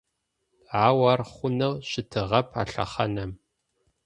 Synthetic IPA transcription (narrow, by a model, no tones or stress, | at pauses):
aːwɐrχʷʊnɐwɕɪtʰɨʁɐpʰa̰ːɬɐ̰χɐnɐm